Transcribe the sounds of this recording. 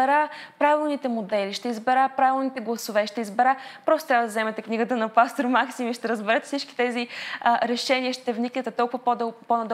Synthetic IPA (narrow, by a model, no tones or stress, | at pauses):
ɛɾapɾavilˠnit̪ɛmod̪ɛliʃt̪ɛizbɛɾapɾavilˠnit̪ɛɡlˠɐsovɛʃt̪ɛizbɛɾapɾɔst̪o̥t̪ɾʲjavəd̪ɐzɛmɛt̪ɛkniɡət̪ənɐpast̪oɾmaksimiʃt̪ɛɾəzbɛɾɛt̪ɛ̥fsit͡ʃki̥t̪ɛziɾɛʃɛniəʃt̪ɛvniknɛt̪ɛt̪ɔlˠkʊvɐpd̪ponɐd̪